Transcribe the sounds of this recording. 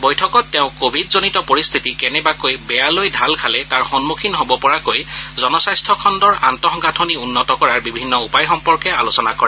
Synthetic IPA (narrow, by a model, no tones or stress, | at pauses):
bojtʰɔkɔtːɛʊ̃kobʱidzonitɔpoɹist̪ʰitikɛnɛbakojbɛjalojdʱalkʰalɛtaɹxɔnmukʰinɦobɔpɔɹakojzɔnɔsajstʰɔkʰɔndɔɹa̰ntɔxɔŋɦatʰoniunːɔtɔkɔɹaɹbibʱinːɔupajxɔmpɔɹkɛalosɔnakɔɹɛ